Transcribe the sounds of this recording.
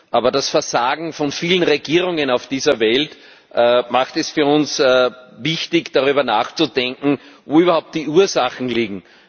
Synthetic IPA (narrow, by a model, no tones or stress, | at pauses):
ʔaːbɐdasfɛɐzaːɡŋ̩fɔnfiːlənʁeɡiːʁʊŋənaʊfd̥iːzɐvɛlt | ʔmaxtɛsfyɐʊnsvɪçtɪçd̥aʁyːbɐnaːxt͡sud̥ɛ̃ŋkŋ̩voːyːbɐhaʊp̚t̚d̥iːuːɐzaxn̩liːɡŋ̩